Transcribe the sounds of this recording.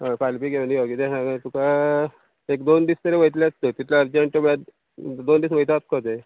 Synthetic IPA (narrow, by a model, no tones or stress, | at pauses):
əfalpiɡeʋəniokit̪eɦãt̪uka | ekd̪ond̪iːst̪əɾeʋəjt̪lat͡st̪ət̪it̪ʰlaːɾd͡ʑeɳʈəmɭa | d̪ond̪iːsməɦjt̪at̪̚kʰot̪e